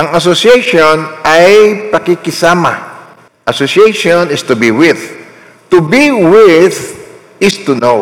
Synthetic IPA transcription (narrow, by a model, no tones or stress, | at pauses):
ʔɐŋɐs̬osiɛjʃonajpɐkɪkɪsama̰ | ʔɐsosjeʃonɪst̪ubiwɪð | t̪ubiwɪð | ɪst̪uno